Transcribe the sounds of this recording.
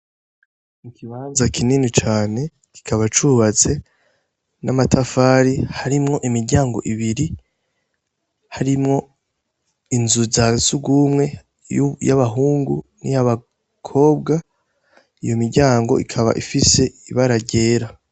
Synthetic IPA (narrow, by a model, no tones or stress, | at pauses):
mukʰiβaːnzakʰininit͡ʃaːne̞ | ki̥kʰaβat͡ʃuβat͡se̞ | namatʰafaːɾihaɾimŋo̞ʔimiɾɟaːŋɡo̞̰ʔiβiɾi | haɾimŋo̞ | inzuzasuɡumŋe̞ | jaβaɦuːŋɡṵnḭjaβa | kʰo̞ːbɡa | ijo̞miɾɟaːŋɡo̞̰ʔḭkʰaβa̰ʔifise̞iβaɾaɾɟe̞ːɾa